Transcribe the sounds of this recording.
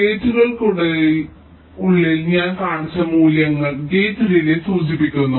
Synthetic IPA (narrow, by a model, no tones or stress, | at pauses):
ɡeːtːuɣɐɭkuɽe | uɭːilɲaːnkaːɳit͡ɕːɐmuːljɐŋːɐɭɡeːtːuɾilesuːd͡ʑipːikʲːunːu